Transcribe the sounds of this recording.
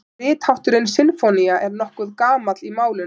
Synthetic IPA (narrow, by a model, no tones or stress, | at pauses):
ɪːt̪hawht̪ʏɾɪnsɪnfɔniaʔɛɾnɔhkʏðkaːmat̪limaːwlɪn